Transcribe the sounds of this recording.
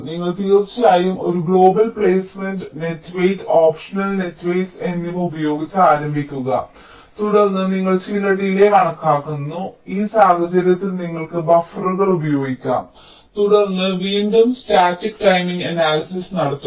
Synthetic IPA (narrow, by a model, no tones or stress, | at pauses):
niŋːɐɭt̪ijɐrt͡ɕːaːjumo̞ɾuɡɭo̞ːbɐlpɭeːsmenɖɨne̞tːʋejtoːpʂɐnɐlne̞tːʋejse̞nːumubɐjo̞ːɡit͡ɕːɐaːɾɐmbʱikʲːuɣɐ̰ | t̪uɽɐrnːɨniŋːɐɭt͡ɕilɐɽijileʋɐɳɐkːaːkːunːuiːsaːɡɐt͡ɕːɐɾjɐt̪ːilniŋːɐɭkɨbɐfrɐɣɐɭubɐjo̞ːɡikʲːa̰ːm | t̪uɽɐrnːɨʋiːndɐmstaːtːikʈɐjmiŋɡɐnaːlɐsisnɐɽɐt̪ːu